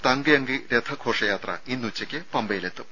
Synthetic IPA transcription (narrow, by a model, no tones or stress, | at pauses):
t̪ɐŋɡɨjɐŋɡɨɾet̪ʰɐkʰo̞ːʂɐjaːt̪rɐ̰inːut͡ɕːɐkʲːɨpɐmbɐjilet̪ːum